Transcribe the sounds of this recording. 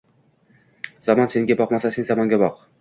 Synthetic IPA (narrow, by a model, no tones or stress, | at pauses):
z̥ɑmɑnseŋɡʲebɑqmɑsɑsenzɑmɑŋɡʲɑbɑq